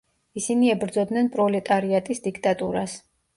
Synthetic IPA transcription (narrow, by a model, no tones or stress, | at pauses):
isiniɛbɾd̪zɔd̪nɛnpʼɾɔlɛt̪ʼaɾiat̪ʼisd̪ikʰt̪ʼat̪ʼuɾas